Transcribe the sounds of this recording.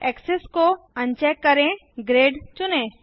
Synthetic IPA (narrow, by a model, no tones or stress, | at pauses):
ɛksesko | əɲt͡ʃɛkːəɾẽɡɾeɖt͡ʃunẽ